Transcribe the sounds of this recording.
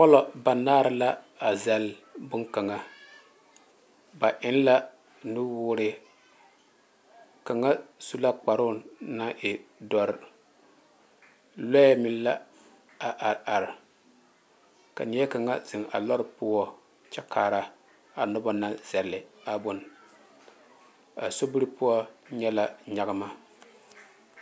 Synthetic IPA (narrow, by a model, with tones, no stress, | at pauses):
pɔ˦lɔ˨ba˨naː˦ɾɪ˦la˦ | a˨zɛ˨lbʊ˦nka˨ŋa˦˨ | ba˨ʔɪ˦n˦la˦ | nʊ˦wʊː˦ɾɪ˦ | ka˨ŋa˦su˦la˦k͡pa˨ɾʊ˦na˦ʔɪ˨dɔ˨ɾ | lɔ˦mɪ˦n˦la˦ | a˨ʔa˨a˨ɾ | ka̰˨nɪ˨jɛ˦ka˨ŋa˦zɪ˨ŋa̰˨lɔ˦ɾpʊ˦ɔ˦ | t͡ʃɛ˦kʰaː˨ɾa˦ | a˨nʊ˦ba˦na˦z̥ɛ˨lːɪ˨a˨bʊ˨n | a̰˨so˦bɨ˦ɾɨ˦pʊ˦ɔ˦ɲɛ˦la˦ɲa˨˦ɣa˦ma˦